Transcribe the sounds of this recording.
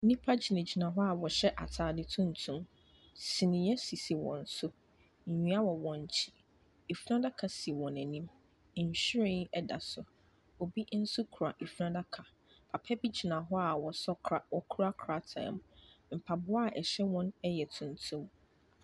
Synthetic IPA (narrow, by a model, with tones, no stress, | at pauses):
nĩ˦pʰa˦d͡ʑi˨nã˨d͡ʑi˨nã˨ɦɔ˦a˨wɔ˨ɕɛ˦ʔa˨tʰaː˨dɪ˨tʰũ˦n˨tʰũ˦m | sĩ˨nĩ˨jɛ˦si˨si˨wɔ̰̃˨n̩˨sʊ˦ | ɲ̩˨ɲũ˨˦a˦wɔ˨wɔ̃˨ɲ˨t͡ɕʰi̥˦ | e˨fu˦ɾã˦da˦kʰa˨si˨wɔ̃˨nɛ̃˨nĩ˦m˨ | ɲ̩˨ɕᶣi˦ɾĩ˦ŋ˦ɛ˦da̰˨sʊ˨ | ɔ˨bi˦n̩˦sʊ˦kʰu˨ɾa˨ʔi˨fu˦ɾã˦da˦kʰa˨ | pʰa˨pʰɛ˦bi˦d͡ʑi˨nã˨ɦɔ˦a˨wɔ˨sɔ˦˨wɔ˨kʰu˦ɾa˦kʰɾa˦tʰã̰˨mm̩˨pʰa˨bʊ˦a˦˨ʔɛ˨ɕɛ˦wɔ̃˦nɛ˦jɛ˨tʰũ˨n˨tʰũ˦m